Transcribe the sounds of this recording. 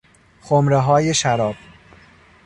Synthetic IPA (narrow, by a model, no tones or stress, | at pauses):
xomɾeɦɒːje̞ʃæɾɒːb̥̚